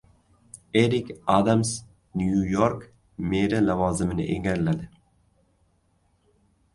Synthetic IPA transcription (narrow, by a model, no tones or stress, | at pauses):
eɾikʲad̪ams | njujoɾk | meɾalavɑːzɪmɪnɪ̰ʔḛŋɡʲaɾlad̪ɪ